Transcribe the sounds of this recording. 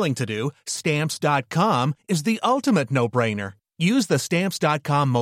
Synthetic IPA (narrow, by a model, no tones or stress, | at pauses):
lˠɪ̃ŋtʰɨdɨstæ̃mpsd̥ɑt̚kʰɑ̃mɨzðiʔʌlˠtɨmɨtⁿnoʊbɹẽɪ̃nə̰˞ | jʉzðɨstæ̃mpsd̥ɑt̚kʰɑ̃mːo